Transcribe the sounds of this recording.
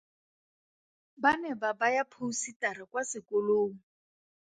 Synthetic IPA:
banɛbabajapʰusitaɾakwasɪkoloːŋ̩

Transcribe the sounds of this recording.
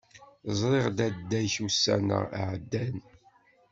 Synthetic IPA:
zˤɾˤeʁd̪æd̪ːæjçusːæ̰nə̰ʕd̪ːæn

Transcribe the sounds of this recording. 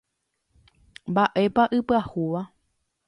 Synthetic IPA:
mbaʔe̞paʔɨpɨahuʋa

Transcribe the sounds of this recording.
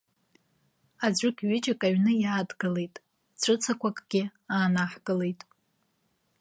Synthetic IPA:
ad͡zʷʊkʲɥɪt͡ʃʼɪkʼaɥnɨjaːdɡɨle̞jtʼ | t͡ɕʷʰɨt͡sʰakʷʰakʼɡ̥ʲɪaːnaħɡʼɨle̞jtʼ

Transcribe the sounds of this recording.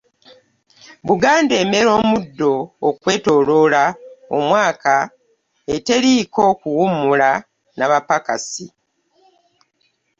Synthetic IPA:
βuɡaːnde̞ːme̞ɾo̞ːmudːo̞ːkwe̞ːto̞lo̞lao̰mwaːka | e̞te̞ɾiːkoːkuwumula | naβapaka̰si

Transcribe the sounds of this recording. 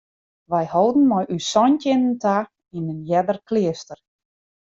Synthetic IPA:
ʋɛjhowdn̩mɔjʔysɔntɪnəntʰa | inənjɛdərklɪəstər

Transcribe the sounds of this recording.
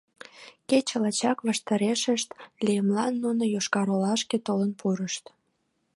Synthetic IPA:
ket͡ɕəlɑt͡ɕɑkβɑʃt̪ɑɾeʃəʃt̪lʲijəmlɑnːunojoʃkɑɾolɑʃket̪olənpʰuɾəʃt̪

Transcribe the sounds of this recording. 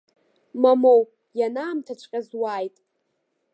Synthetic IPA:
mamow | janaːmtʰat͡ʃʷʰʼqʲʼazwaːjtʼ

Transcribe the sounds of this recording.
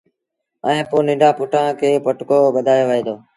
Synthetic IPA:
ɛ̃ːpoːnɪ̃ːɳɖʱaːpʊʈãːkʰeːpəʈkoːɓəd̪ʱaːjoːʋəɦẽːd̪oː

